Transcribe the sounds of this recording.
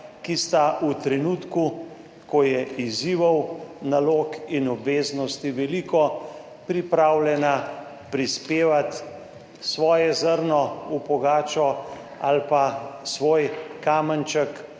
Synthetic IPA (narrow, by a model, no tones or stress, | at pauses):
kist̪aut̪ɾɛnuːt̪ku | kɔjɛʔiziːʋɐwnaloːkinɔbʋeːznɔst̪iʋɛliːkɔ | pɾipɾaːwljɛna | pɾispeːʋat̪ | sʋɔːjɛzəɾnɔupɔɡaːt͡ʃɔ | alpasʋoːjkaːmənt͡ʃək